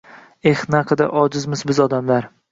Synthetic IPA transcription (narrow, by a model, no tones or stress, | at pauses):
ehnaqʰɨd̪a̰ʔɒd͡ʒɪzmɪzbɪzɒd̪amlaɾ